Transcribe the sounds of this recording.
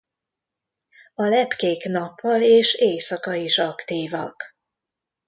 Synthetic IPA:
ɒlɛpkeːknɒpːɒleːʃeːsɒkɒiʃɒkt̪iːvɒ̰k

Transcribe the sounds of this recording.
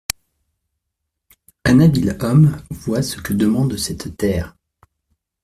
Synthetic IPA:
ãnabilɔmvwasə̥kəd̪əmɑ̃d̪sɛt̪ːɛːʁ

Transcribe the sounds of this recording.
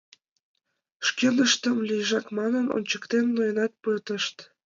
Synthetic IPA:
ʃkenəʃt̪əmlʲijʒɑkmɑnəno̰nt͡ɕəkt̪enːojənɑt̪̚pət̪əʃt̪

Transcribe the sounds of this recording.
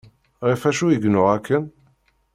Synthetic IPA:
ʁifæʃujəɡnʊʁækʰːən

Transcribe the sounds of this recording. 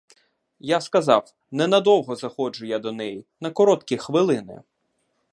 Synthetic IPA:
jaskɐzɑw | nɛnɐd̪ɔwɦɔzɐxɔd͡ʒʊjad̪ɔnɛjinɐkɔɾɔt̪kʲixʋɪlˠɪnɪ̰

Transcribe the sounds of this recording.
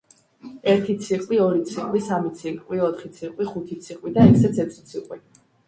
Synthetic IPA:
ɛɾt̪ʰit̪sʰiqʼwiɔɾit̪sʰiqʼwisamit̪sʰikʼwiɔt̪ʰχit̪sʰiqʼwiχut̪ʰit̪sʰiqʼwid̪aɛkʰsɛt̪sʰɛt̪ʰi̥t̪sʰiqʼwi

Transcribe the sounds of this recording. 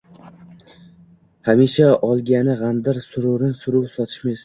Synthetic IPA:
hamiʃaɒlˠɡʲanɪʁand̪ɪɾsʊɾʊɾɪnsʊɾʊpsɒt̪ʰɪ̥ʃmes

